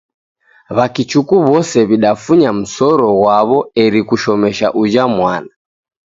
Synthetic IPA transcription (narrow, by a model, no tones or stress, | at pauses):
βakit͡ʃukuβɔsɛβiɗafuɲam̩sɔɾɔɣwaβɔɛɾikuʃɔmɛʃaʔud͡ʒamwana